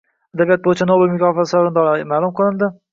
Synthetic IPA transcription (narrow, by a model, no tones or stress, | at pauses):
ad̪abijat̪̚bojɪt͡ʃʰanobelmʊkʲʰɒːfasaɾɪnd̪ɒlˠamaːlˠʊmqʰɨlˠɪnd̪ɪ